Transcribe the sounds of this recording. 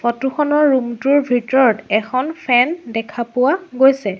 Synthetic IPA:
fɔtuxɔnɔɹːumtuɹbʱitɔɹɔtɛkʰɔnpʰɛndɛkʰapʊwaɡojsɛ

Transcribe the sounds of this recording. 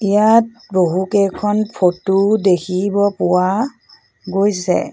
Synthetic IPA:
ijat̚boɦukɛjkʰɔnpʰotudekʰibɔpʊwa | ɡojsɛ̰

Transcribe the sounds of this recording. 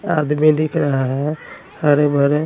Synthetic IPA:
aːd̪mid̪ɪkʰɾəɦaɦɛ | həɾbʱəɾ

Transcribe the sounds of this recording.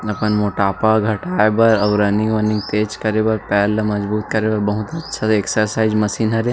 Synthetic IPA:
ɐpənmoːʈaːpaɡʱɐʈaːebɐɾɐʋɾəniʋɐnɪ̃ŋ̚t̪eːd͡ʒkɐɾebɐɾpɛːlmɐzbuːt̪̚kɐɾeːbɐɾbɐɦʊt̪ɐtːʃʰaeksəɾsaːɪzmɐsiːnɦɐɾe

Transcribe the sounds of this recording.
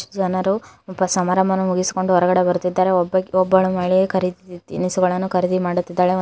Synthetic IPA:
d͡ʒɐnɐɾu | bɐsɐmaːɾɐmbʱɐnumuɡisi̥ko̞ɳɖuɔɾɐɡɐɽe̞bɐɾut̪ːid̪ːaːɾe̞ɔbɐkɔbːɐɭumɐːɭikʰɐɾid̪it̪inisuɡɐɭɐnːukʰɐɾid̪imaːɽut̪ːid̪ːaːɭe

